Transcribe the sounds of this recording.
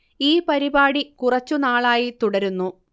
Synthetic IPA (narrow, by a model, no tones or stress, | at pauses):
iːpɐɾibaːɽikurɐt͡ɕːunaːɭaːjit̪uɽɐɾunːu